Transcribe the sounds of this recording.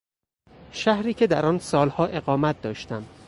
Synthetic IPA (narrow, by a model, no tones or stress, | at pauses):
ʃæhɾiːcʰe̞d̪æɾɒːnsɒːlhɒːʔe̞ɣɒːmæt̪̚d̪ɒːʃt̪æmd̪̥